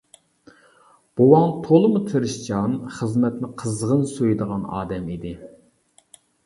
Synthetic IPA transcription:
b̥owɑŋt̪ʰolˠɨmut̪ʰɨɾɨʃd͡ʒɑnχəzmɛt̪nɪqʰəzʁənsøjd̪əʁɑnɑ̰ːd̪ɛmid̪ɪ

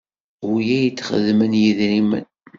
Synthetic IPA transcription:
wjæjət͡sːχə̰ðmənjiðɾimə̰n

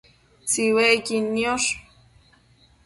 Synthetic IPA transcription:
t͡siwekinːioʂ

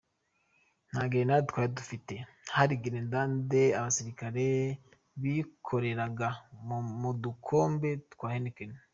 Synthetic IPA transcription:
n̥haːɡienatkwaːjedufite̞ | haɾiɡiɾendandeaβasiɾikaɾe | βikʰo̞ɾe̞ɾaɡamudukʰo̞ːmbe̞ttkwaːhenekeni

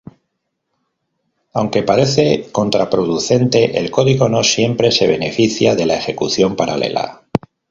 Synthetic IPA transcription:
awŋke̞paɾe̞θe̞ko̞nt̪ɾapɾo̞ðuθe̞nt̪e̞ʔḛlko̞ðiɣo̞no̞sje̞mpɾe̞se̞β̞e̞ne̞fiθjaðe̞lae̞xe̞kuθjo̞mpaɾale̞̰la̰

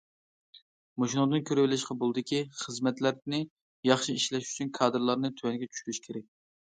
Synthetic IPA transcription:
moʃinud̪ɨnkʲʰøɾwɪlɪʃqɑbolˠɨd̪ɪkʲiχəzmɛt̪læɾnɪ | jɑχʃiiʃlɛʃy̥t͡ʃʰynkʰɑːd̪ɨɾlˠɑɾnɨt̪ʰywɛnɡʲɛt͡ʃʰy̥ʃyɾyʃkʲʰeɾɛk̚ʲ

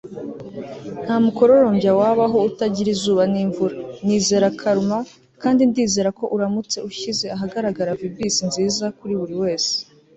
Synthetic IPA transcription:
n̥haːmuko̞ɾo̞ɾo̞mbjawaːβaɦo̞utaɟiɾizuːβaniːɱvuɾaniːze̞ːɾakʰaɾuma | kaːndindiːze̞ɾako̞ʔuɾamut͡se̞uʃize̞aɦaɡaɾaɡaɾavibisinziːzakuɾiβuɾiwe̞ːse̥

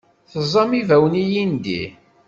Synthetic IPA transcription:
θəzˤːɑmivæwnijind̪ḭ

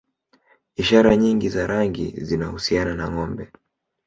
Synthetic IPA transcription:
iʃaɾaɲiŋɡizaɾaŋɡḭzinahusiananaŋɔmbɛ

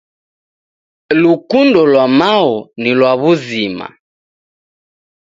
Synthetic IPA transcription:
lukundɔlwamaɔnilwaβuzima̰

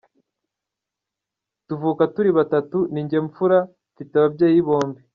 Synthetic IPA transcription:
tuvuːkatuɾiβatatuniɲɟe̞ɱfuɾa | fitaβabɟeːjiβo̞ːmbi

